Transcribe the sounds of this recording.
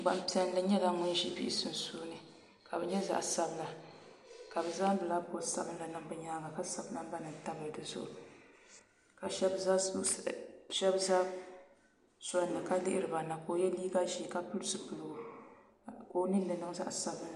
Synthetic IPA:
ɡ͡ba˨mpi˨ɛ˦n˦lɨ˦ɲɛ˦la˨ŋɔ˦ʒi˦bḭ˦ʔɪ˦sɨ˨n˨soː˦nɨ˨ | ka˨bɛ˨ɲɛ˦za̰˦ʔsa˦bɨ˨la˨ | ka˨bɛ˨za˦m˦bɨ˨la˦bo˦sa̰˦bɨ˦la˨nɨ˨ŋbɨ˨ɲaː˦ŋa˨ka˦sa˨bna˦m˦ba˦nɨ˨n˨ta˦bɨ˨dɨ˨zʊ̰˦ʔʊ˨ | ka˨ʃɛ˦b | ʃɛ˦bza˦ | sɔ˦nɨ˨ka˦lɪ˦ʔɪ˦ɾɨ˨ba˨na˨ko˨jɛ˦liː˦ɡa˦ʒi˨ka˦pʊ˦lsɨ˦pʊ˨lɡo˨ | ko˦nɨ˦n˦dɨ˨nɨ˦ŋza̰˦ʔsa˦bla˨

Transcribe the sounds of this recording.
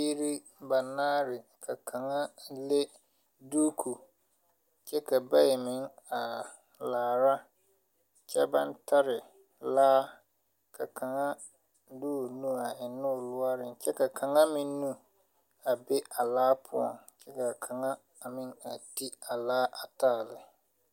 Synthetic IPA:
i˦ɾi˦ | ba˨naː˦ɾɪ˨kʰa˨kʰa˨ŋa˦le˦ | duː˦kʰu˨ | t͡ʃɛ˦ka˨ba˦jɛ˨mɪ˨˦ŋa˨ | laː˨ɾa˦ | t͡ʃɛ˦ba˦ntʰa˦ɾɪ˨ | laː˦ | kʰa˨kʰa˨ŋa˦ | duː˦˨nũ˦a˨ɪ˨nʊ˦˨lʊ˦a˦ɾɪ˨nt͡ʃɛ˦ka˨kʰa˨ŋa˦mɪ̃˦nnu˦ | a˨be˦a˨laː˦pʰʊ˦ɔ̰˨ŋt͡ʃɛ˦ka˨kʰa˨ŋa˦ | a˨mɪ˦ŋa˨ti˦a˨laː˦ʔa˨taː˦˨lɪ˨

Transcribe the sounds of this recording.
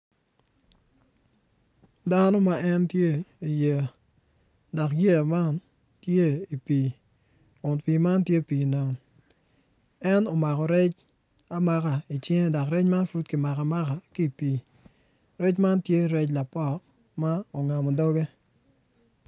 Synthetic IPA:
da˦nɔ˦ma˦ɛ˦ntje˦i˨je˨ | dɔ˨kje˦ja˨ma˦n | tje˦i˨pi˨ | ʊ˨npiː˨ma˦ntje˦pi˨na˨ŋ | ɛ˦no˨ma˨kɔ˨ɾɛ˦t͡ʃ | a˦ma˦ka˨i˨t͡ʃe˦ŋ˦dɔ˨kɾɛ˦t͡ʃma˦nfu˦tkɪ˨ma˨ka˨ma˦ka˨ki˦˨piː˨ | ɾɛ˦t͡ʃma˦ntje˦˨ɾɛ˦t͡ʃ̬la˨pɔ˦k | ma˦o˨ŋa˨mɔ˨dɔ˦ɡe˦

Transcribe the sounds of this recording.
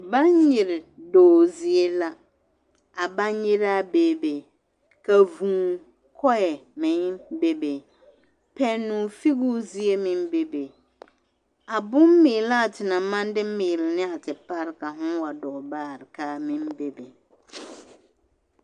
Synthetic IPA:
bã˦ɲjɪ˨ɾɪ˨dɔː˨zi˨e˦la˦ | a˨ba˦ɲɲɪ˦ɾa˦beː˦˨be˨ | ka˨vũː˨ | kʰɔ˦jɛ˨mɪ̃˨˦be˦be˨ | pʰɛ˦nːũː˨fi˦ɣu˦zi˦e˦mɪ̃˦mbe˦be˨ | a˨bʊ˦m˦mɪː˨la˦˨tʰɪ˨na˨mã˦n˦dɪ˦mɪː˨lɪ˨nɪ˦a˨tɪ˨pa˦ɾɪ˦ka˨ɦʊ̃˦wa˨dɔː˨baː˦˨ɾɪ˨ka˦˨mɪ̃˦mbe˦be˨

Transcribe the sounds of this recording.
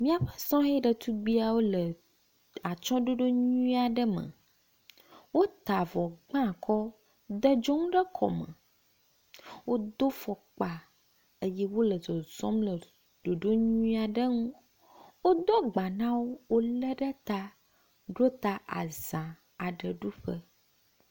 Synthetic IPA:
mĩ˦a˨ɸə̥˦sɔ̃˦ɦɛ˦ɖə˨t̪u˦ɡ͡bi˦a˨wo˦lə˨ | a˨t͡ʃɔ̃˦ɖo˦ɖo˦ɲũ˦i˦a˨ɖə˦mə̰˨ | wo˦t̪a˨vɔ˨ɡ͡bã˦˨kʰɔ˦ | d̪ə˦d͡ʒo˦ŋũ˦ɖə˦kʰɔ̰˨mə̰̃˨ | wo˦d̪o˦fɔ˨k͡pa˨ | ə˦jɛ˦wo˦lə˨zɔ˨z̥ɔ̃˦mlə˨ | ɖ̥o˨ɖo˦ɲũ˦ĩ˦a˨ɖə˦ŋũ˦ | wo˦d̪ɔ˦ɡ͡ba˨nã˦wo˦wo˦lə˦ɖə˦t̪a˦ | ɖo˦t̪a˦ʔa̰˨z̥ã˨ | a˨ɖə˨ɖu˦ɸə˦

